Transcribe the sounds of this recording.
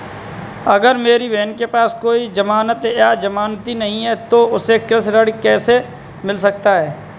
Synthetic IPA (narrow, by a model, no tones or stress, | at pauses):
ɐɡəɾmeːɾiʋeːnkepaːskoːid͡ʒɐmaːnət̪jad͡ʒɐmaːnt̪inɐɦĩɦɛt̪oʊsekɾɪsɾəɽkɛːse | mɪls̬ɐk̚t̪aɦɛː